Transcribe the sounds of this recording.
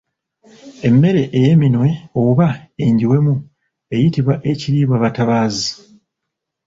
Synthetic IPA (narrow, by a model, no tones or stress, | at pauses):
e̞mːe̞ɾe̞ʔeje̞minwe̞oβaeɲɟiwe̞mu | e̞jitiβwaʔe̞ciɾiːβwaβataβaːzi